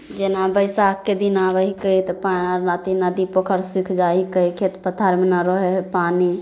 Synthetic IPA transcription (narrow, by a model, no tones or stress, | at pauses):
d͡ʒenabəjsakked̪inaʋəɦikəit̪panaɾnat̪inəd̪ipokʰəɾsikʰd͡ʒaikəikʰet̪pət̪ʰaɾmenaɾɔɦepani